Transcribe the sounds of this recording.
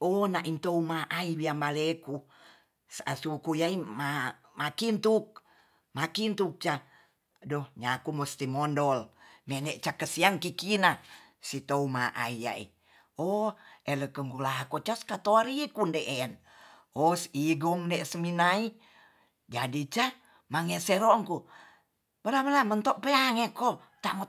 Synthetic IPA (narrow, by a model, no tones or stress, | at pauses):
onaʔint̪oumaʔaibiambaleku | sa̰sukujaima | makint̪uk̚ | makint̪uk̚t͡ʃa | dɔhɲakumɔst̪imondɔlmɛneʔt͡ʃakəsiaŋkikina | sit̪oumaʔa̰ija̰ḭ | oeləkəŋkulaɦakot͡ʃaskat̪oaɾikundeʔen | osiɡɔŋndɛsəminai | d͡ʒadit͡ʃa | maŋeseɾoŋku | bəlaməlamənt̪oʔpeaŋeko | t̪amo